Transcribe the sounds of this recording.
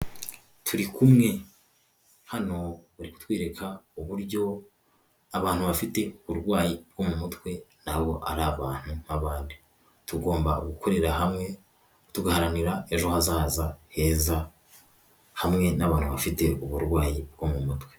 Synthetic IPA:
tʰuɾikumŋe̞ | hano̞βaɾiku̥twiːɾekʰauβuɾɟo̞ | aβaːnhuβafite̞uβuɾɡwaːjib̚ɡo̞mumutwe̞naβo̞ʔa̰ɾaβaːn̥hunaβaːndi | tuɡo̞ːmba̰ɡuko̞ɾe̞ɾahamŋe̞ | tuɡahaɾaniɾae̞ʒo̞hazaːzahe̞ːza | hamŋe̞naβaːn̥huβafite̞uβuɾɡwaːjib̚ɡo̞mumutwe̞

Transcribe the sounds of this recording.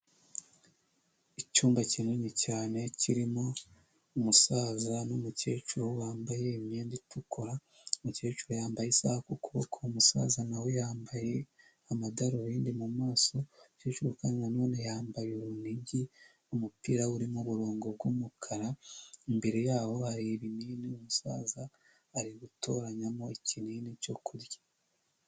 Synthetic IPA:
icuːmbacinoɲecaːne̞ciɾimo̞ | umusaːzanomuce̞ːt͡ʃuɾowaːmbaje̞imjeːnditukʰoɾa | muce̞ːt͡ʃuɾojaːmbajesaːhakukuβokʰoumusa̰ːzanawe̞jaːmbaje̞ | amadaɾoβiːndimumaːso̞uceːt͡ʃuɾokaninano̞ːne̞jaːmbajoβuniɟi | omupiːɾauɾimoβuɾo̞ːŋɡo̞bɡumukʰaɾaembe̞ɾe̞jaːβo̞haɾieβiniːniomusa̰ːzaː | ɾiɡuto̞ɾaɲamo̞eciniːnico̞kʰuɾjḁ

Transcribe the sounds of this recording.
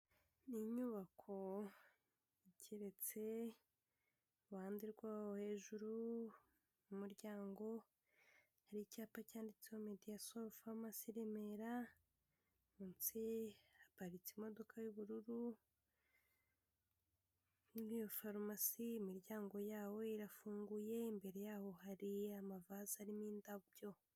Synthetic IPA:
niɲuβakʰo̞ | icʰeɾet͡se̞ | waːndiɾɡwaːwohe̞ːʒuɾu | mumuɾɟaːŋɡo̞ | haɾicaːpacaːndit͡seomedijasofamasiɾemeɾa | munt͡sihapaɾit͡simo̞do̞kʰajuβuɾuɾu | ninijo̞faɾmasiːmiɾɟaːŋɡo̞jaːwo̞iɾafuːŋɡuje̞imbe̞ɾe̞jaːho̞haɾiamavazaɾimiːndabjo̞

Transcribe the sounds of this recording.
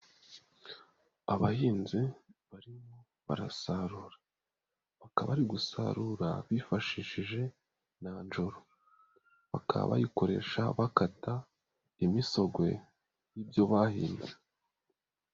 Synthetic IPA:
aβahiːnziβaɾimo̞ | βa̰ɾasaɾuːɾḁ | βakaβaɾiɡusa̰ɾuɾa̰βifaʃiʃiʒe̞ | nand͡ʒo̞ɾo | βa̰kʰa̰βa̰jiko̞ɾe̞̰ʃa̰βakata | imiso̞ɡwe̞̰ | jiːbjo̞βahiːnde

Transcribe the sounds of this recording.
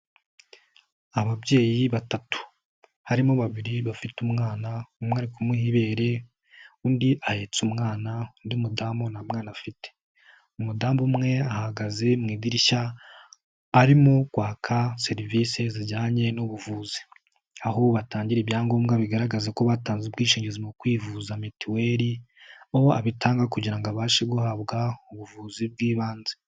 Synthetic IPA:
aβabɟe̞ːjiβatatu̥ | haɾimoβaβiɾiβafitumŋaːnaumweaɾikumuhiβe̞ːɾe̞ | undiʔahe̞t͡sumŋaːnaundiumudaːmbonamŋaːnafite̥ | umudaːmbumŋe̞ahaɡaze̞mŋiːdiɾiʃa | ɾimukwaːkʰase̞ɾivise̞ziɟaːɲe̞nuβuvuzi̥ | aho̞βataːɲɟiɾebjaːŋɡo̞ːmɡaβiɡaɾaɡazeko̞βataːnzibɡiːʃiːɲɟezimukwiːvuzametiwe̞ɾi | oa̰βitaːŋɡakuɟiɾaŋɡaβaːʃeɡuhaːβɡauβuvuːzib̚ɡiːβaːnze

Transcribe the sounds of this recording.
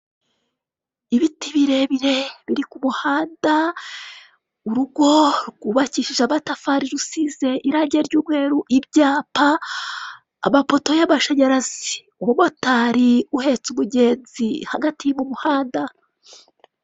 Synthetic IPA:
iβitiβiɾe̞βiɾe̞βiɾikumuhaːnda | uɾuɡo̞ɾɡuβaciʃiʒaβatafaɾiɾusize̞ʔiɾaːɲɟeɾɟuːɾwe̞ːɾuʔibɟaːpa | mapo̞to̞jaβaʃaɲaɾazi | uwumo̞taːɾiuhe̞t͡sumuɟe̞ːnzihaɡatijmumuhaːnda

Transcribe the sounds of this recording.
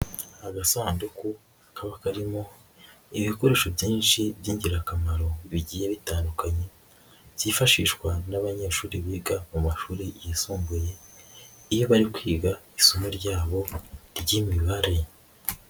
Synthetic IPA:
aɡasaːnduku | akaβakaɾimo̞ | iβiko̞ɾe̞ːʃobjiːnʃibjiːɲɟiɾakamaɾo̞βiɟiːjeβitaːndukaɲe̞ | z̥iːfaʃiʃkwanaβaɲe̞ːʃuːɾiβiːɡamumaʃuːɾijisuːmɡuje̞ | ijo̞βaɾikwiːɡaisomoɾɟaːβo̞ɾɟimiβaɾe̞

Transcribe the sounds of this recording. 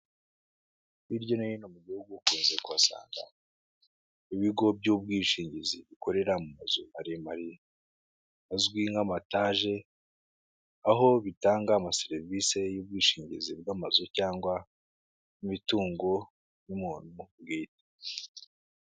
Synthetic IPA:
βiɾɟo̞niinomuɟuhuɡukuːnzekuβasa̰ːŋɡa̰ | iβiɡo̞b̚ɟubɡiːʃiːɲɟiziβiko̞ɾe̞ɾamumazumaɾimaɾi | azɡwiŋɡamataːʒe̞ | aɦo̞βitaːŋɡamaseɾivise̞jub̚ɡiːʃiːɲɟizib̚ɡamazucaːŋɡwa | imituːŋɡo̞ | nimuːn̥ubɡiːte̥

